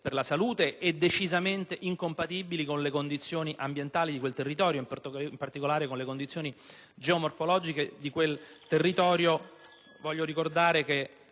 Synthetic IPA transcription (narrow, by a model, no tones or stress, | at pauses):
perlasaluːt̪eʔɛd̪ːet͡ʃizament̪eʔiŋkompat̪ibilikonlekond̪it̪sːjoːniʔambjent̪aːlid̪ikwelt̪erːit̪ɔːɾjoimp̪impart̪ikolaːɾekonlekond̪it̪sjoːni | d͡ʒeomorfolɔːd͡ʒiked̪ikwelt̪erːit̪ɔːɾjo | vɔʎːoɾikord̪aːɾeke